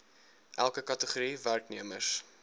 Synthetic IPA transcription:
ʔælˠkəkɐtəχuɾiværkniəmərs

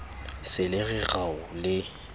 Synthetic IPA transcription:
sɪlɪɣɛɣaʊlɪ

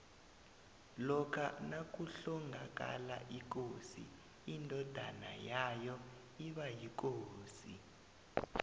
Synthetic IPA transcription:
lɔkʰanak̬ʼuɬɔŋɡʱak̬ʼa̰la̰ʔik̬osḭ | indʱɔd̥ʱa̰na̰jajɔ | iɓajik̬oːsḭ

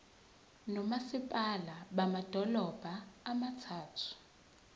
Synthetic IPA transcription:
nɔmasipʼalaɓamad̥ʱɔlɔb̥ʱaːmatʰaːtʰu̥

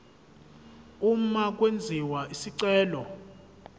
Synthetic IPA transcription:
um̩mak̬ʼwend͡zʱiwaʔisiǀɛːlɔ

